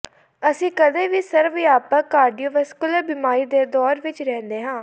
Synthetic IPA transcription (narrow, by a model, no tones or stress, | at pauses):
əsĩːkəd̪eːʋiːsəɾʋjaːpəkaːɾɖijoːʋɛskʊləɾbɪmaːɾiːd̪eːd̪ɔːɾʋɪt͡ʃɾɛ̃ːnd̪eːɦãː